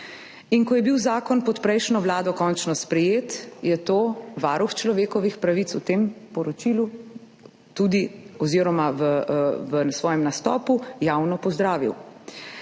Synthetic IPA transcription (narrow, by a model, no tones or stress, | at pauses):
inkɔjɛbiwzaːkɔnpɔt̪pɾɛjʃnɔʋlaːd̪ɔkɔnt͡ʃnɔspɾɛjeːt̪jɛt̪oːʋaːɾuxt͡ʃlɔʋeːkɔʋixpɾaʋit̪sut̪empɔɾɔt͡ʃilu | t̪ud̪iɔziːɾɔmaʋəʋəsʋɔːjɛmnast̪ɔ̰ːpujawnɔpɔzd̪ɾaːʋḭw